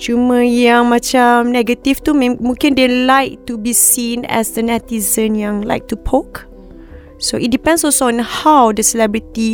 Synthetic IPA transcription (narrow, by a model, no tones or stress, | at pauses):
t͡ʃumə̃jãŋmãt͡ʃamnɛɡət̪ift̪um̃mũŋkĩndelajk̚t̪ubisĩnɛ̰sdənɛt̪izə̃njãŋla̰jk̚t̪upʰok | soʔit̚dipɛ̃ndsɔlsõnhawdəsɛlɛbɹit̪i